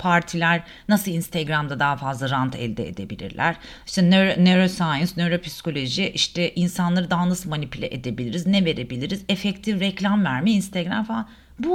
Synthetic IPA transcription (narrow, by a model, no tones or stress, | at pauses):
pʰaɾt̪ʰilʲæɾ | nasɯlˠinst̪ʰɛɡɾamd̪ad̪aɦafazlˠaɾant̪ʰɛ̰lʲd̪ɛ̰ḛd̪e̞bilʲḭɾlʲʔæ̰ɾ̥ | i̥ʃt̪ɛneɾneɾosajɯnsneɾo̞pʰi̥si̥ko̞lʲo̞ʒiʔiʃt̪ʰɛʔinsanlˠaɾɯd̪aɦanasɯmanipʰylʲɛʔḛd̪e̞bilʲiɾiznɛve̞ɾe̞bilʲiɾizefɛct̪ʰifɾɛclʲamvæɾmiinst̪ʰeɡɾa̰mfaa | bu